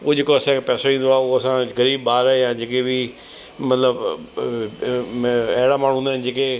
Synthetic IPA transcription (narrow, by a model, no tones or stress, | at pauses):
ʊd͡ʑeːkoɐsãkʰepɛːsoʋĩːn̆d̪oaːʊɦoɐsãɣɐɾiːbbaːɾaejãːd͡ʑeːkebi | mɐt̪ləb | ɐɦɪɽamaːɳ̤̃ũũːnaɦɪnɪd͡ʑeːke